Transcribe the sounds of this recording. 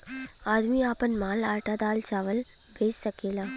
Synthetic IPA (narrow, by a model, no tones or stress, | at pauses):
aːd̪miaːpənmaːlaːʈad̪aːlt͡ʃaːʋəl | bʱeːd͡ʒsɐkeːlaː